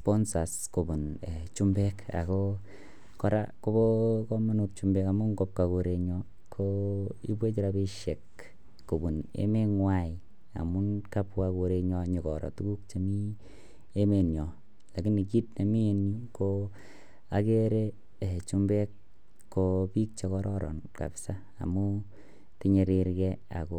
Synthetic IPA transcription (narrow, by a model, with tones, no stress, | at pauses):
pɔ˦nsa˨sko˨bu˨ne˨t͡ʃu˦mbɛ˦ka̰˨ko˦ | kɔ˦ɾa̰˦ko˦bo˦ko˦ma˦nu˨k̚t͡ʃu˨mbɛ˦ka˨mu˦ŋɡo˦p̚ka˨ko˧ɾe˧ɲɔ˦ | kʰo˦ḭ˦bwe˦t͡ʃi˦ɾa˧be˦ʃe˨kː | o˨bu˨nḛ˦me˦ŋwa˦˨ji | a̰˨mu˦nka˦pwa˧ko˧ɾe˧ɲɔ˧ɲi˨kɔ˨ɾɔ̰˨tu˦ku˦k̚t͡ʃe˨mi˦ | e˦me˨nɲɔ˨ | la˨ki˦ni˨ki˦tne˨mi˦e˦nɲu˦ko | a˨ke˦ɾe˦˨ | t͡ʃu˦mbe˦kː | opi˦k̚t͡ʃe˧kɔ˦ɾɔ˦ɾɔ̰˨nka̰˨psa˦ | a̰˨mu˦ | ti˦ɲe˨ɾi˧ɾkɛ˦a̰˨ko˨